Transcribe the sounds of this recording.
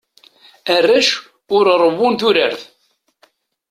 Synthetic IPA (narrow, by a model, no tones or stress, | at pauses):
ærːæʃ | ʊɾrˤəwːʊnθuɾəɾθ